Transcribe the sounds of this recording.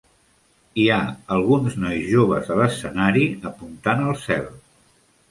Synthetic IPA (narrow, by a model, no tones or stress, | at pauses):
iaəlˠɣunznɔjzʒoβəzðələsənaɾiəpunt̪anəlˠsɛ̰lˠ